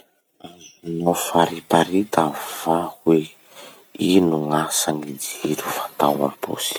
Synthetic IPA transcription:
azunofaɾipaɾit̪av̥ahwe | inuŋasaŋid͡ziɾuvat̪awa̰mpo̰si̥

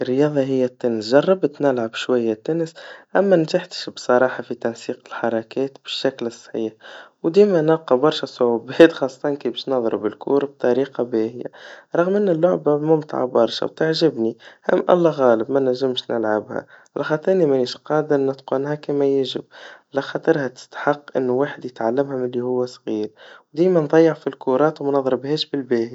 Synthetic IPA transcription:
ʔərːjɑːðˤɑɦɪjːæt̪ːʊnsʒɑrˤːɑbt̪nɪlʕabʃwajːæt̪ːʊnsʔæmːænʒaħt̪ʃbsˤɑɾˤɑːħɑfit̪ɑnsiːqɪlħɑɾˤɑkɛːt̪b̥ɪʃːæklsˤħiːħwd̪iːmænɑqɑbɑɾˤʃɑsˤʊʕubɛːt̪xɑsˤːɑ̥t̪ˤɑnkibɛʃnɑðˤɾbɪlkṵːɾb̚t̪ˤɑɾiːqɑbehɪja̰ɾˤɑɣmʔɪnːælːʊʕbamʊmt̪ɑ̰ʕa̰bɑɾˤʃɑ̰wt̪ɪʕʒɪbnihæ̰mʔɑ̰lˤːɑɣɑːləbmænæʒːɪmʃnɪlʕabhæ̰ | ʕalæxɑt̪ˤɑɾnimæniːʃqɑːd̪əɾnɪt̪qʊnɦækimæjɪʒɪ̰b̚ʕalæxɑt̪ˤəɾhæt̪ɪ̥st̪ḁħɑqːʔɪ̰nːwaːħəd̪jət̪ʕalːɪmhʊmɪlːihʊwːæsˤɣiːɾwd̪iːjmænðˤɑjːəʕfilkuɾˤɑːt̪wmænɑðˤɾəbheːʃbɪlbæːhi

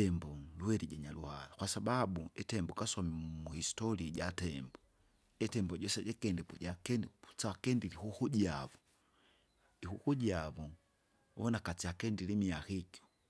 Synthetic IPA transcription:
ɛmbɔlwɛɾiɟaɲaluhalakwasababuɛtɛmbɔkasamimuhistɔliaɟatɛmbɔ | ɛtɛmbɔɟɔsɛɟɛkɛndɛpuɟakɛnut͡sakɛndilihuhuɟiavɔ | ihukuɟiavɔ | wɔnakat͡siakɛndilimiaxiku̥

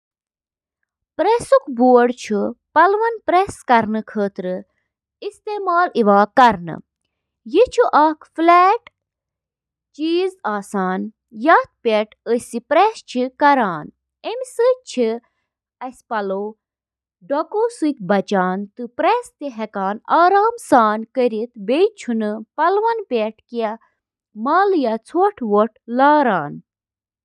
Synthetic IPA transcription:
pɾesukbuːɽt͡ʃʰupɐlʋɐnpɾeskɐɾnɨkʰəːt̪ɾɨ | ist̪eːmaːliʋaːkɐɾnɨ̰ | jit͡ʃʰuʔɐːkʰflɛːʈ | t͡ʃiːzaːsaːn | jɐt̪̚pʲeʈəsipɾeːst͡ʃʰikɐɾaːn | emsət͡ʃʰi | ɐsʲpɐloː | ɖɐkoːsuk̚ʲbɐt͡ʃaːnt̪ɨpɾɛːst̪iɦɛkaːnaːɾaːmsaːnkəɾit̪bet͡ʃʰunɨpɐlʋɐnpʲeʈka | maːljat͡sʰoʈʰʋoʈ̚ʰlaːɾaːn

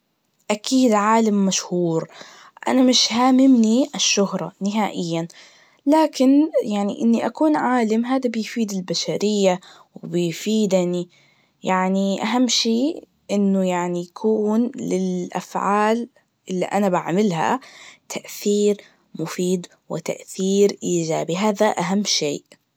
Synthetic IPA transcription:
ʔakʰiːd̪ʕaːlamːaʃhuːɾ | ʔa̰namɪʃhaːmɪmniʔaʃːʊhɾˤɑ̰nɪɦaːʔɪjːan | laːkɪnjaʕnḭʔɪnːiʔakuːnʕaːlamɦaːd̪abɪjfiːd̪ɪlbaʃaɾɪjːa | wbɪjfiːd̪ni | jaʕniʔaɦamːʃeː | ʔɪnːʊjaʕnijakʰuːnlɪlʔa̰fʕaːl | ʔɪlːiʔanabaʕmɪlɦa̰t̪ʰaʔθiːɾ | mʊfiːd̪ | wɪ̰t̪a̰ʔθiːɾʔiːd͡ʒaːbiɦaːðaʔaɦamːʃeːʔ

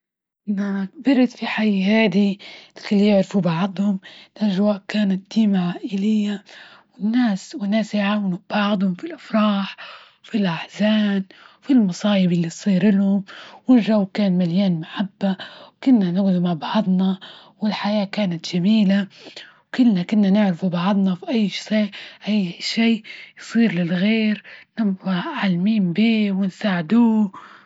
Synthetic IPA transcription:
ʔnabɪɾt̪fiħajɦaːd̪ilkɪlːijɪʕɾfubɑʕd̪ˤhʊmlʔaʒwaːʔkaːnat̪̚d̪̥iːmaʕaːʔɪlɪjːawɪnːaːswɪnːaːsjʕaːwɪnubbɑʕd̪ˤhʊmfilʔɑfɾˤɑːħwfilʔaħzaːnfilmɑsˤɑːjɪbʔalːitsˤiːɾʔɪlhʊmwɪnʒawkaːnmaljaːnmaħabːawkʊnːanawðumaʕbɑʕd̪ˤnɑwɪlħajaːkaːnat̪ʒ̥amiːlawkɪlːnakɪnːanɪʕɾɪfubɑʕd̪ˤnɑfiʔajːʃiːʔʔajːʃiːjsˤiːɾlɪlɣeːɾnɪbbaʕalmiːmbiːwɪnsaːʕɪd̪uː

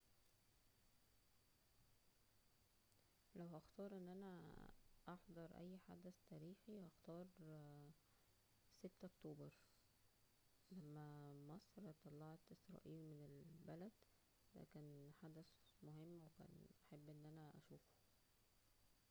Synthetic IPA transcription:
læwʔɑxt̪ɑːɾˤʔenːʔænæ | ʔɑħd̪ˤɑɾˤʔæ̰jːħa̰d̪æst̪æːɾiːxihɑxt̪ɑːɾˤ | set̪ːʔokt̪oːbɑɾˤ | læmːæmɑsˤɾt̪ˤːɑlːɑʕt̪ʔesɾˤɑ̰ːʔiːlmenelbælæd̪ | d̪̥æ̰kæːnħad̪æsmoɦemːwekæ̰ːnʔæħabːʔenːʔænæʔæʃuːfo̥

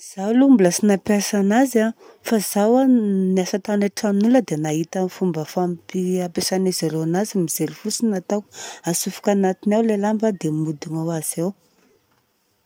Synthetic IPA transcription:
z̥alumbulasinapjasanaza | fazawaniasat̪aneʈ͡ʂaminuləd̪enaɦit̪anifumbəfampiapesanizaɾeanazimiz̥eɾifusinat̪awasufu̥kanat̪inawlelambəd̪emud̪iŋawaz̥aw

